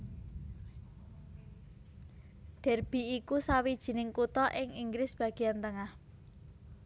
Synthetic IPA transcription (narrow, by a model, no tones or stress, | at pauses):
ɖ̥ɛ̤rb̥i̤ikusawid̥ʒ̥i̤nɪŋkut̪ɔʔɪŋiŋɡɾɪsb̥ä̤ɡ̥i̤jant̪əŋah